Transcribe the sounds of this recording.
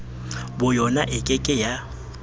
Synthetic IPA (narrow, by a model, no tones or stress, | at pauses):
bʊjɔnaʔɪkʼɪkʼɪja